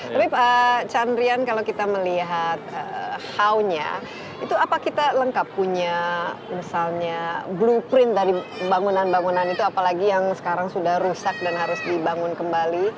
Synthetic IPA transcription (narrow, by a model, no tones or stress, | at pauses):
t̪apiət͡ʃand̪ɾiankalawkit̪aməliɦat̪̚ə̰hawɲa̰ | it̪uapakit̪aləŋkapːuɲamisalɲablupɾɪnt̪̚daɾibaŋunanbaŋunanit̪uapalaɡijaŋsə̥kaɾaŋsudahrusak̚danɦaɾʊsdibaŋʊnkəmbali